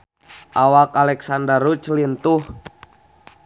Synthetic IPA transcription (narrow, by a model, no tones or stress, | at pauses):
ʔawakalɛksandərut͡ʃlint̪uh